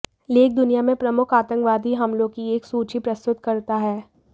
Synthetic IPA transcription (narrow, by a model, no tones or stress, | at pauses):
leːk̚d̪ʊnijamẽpɾɐmʊkʰaːt̪ə̃ŋkʋaːd̪iɦɐmlõkieːksuːt͡ʃipɾɐst̪ʊt̪kɐɾt̪aɦɛː